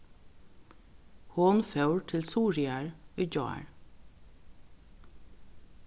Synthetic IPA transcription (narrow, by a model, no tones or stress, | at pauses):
hoːnfœʉɹtʰɪlsuːɹɪæɹœːd͡ʒɑ̰ːæ̰ɹ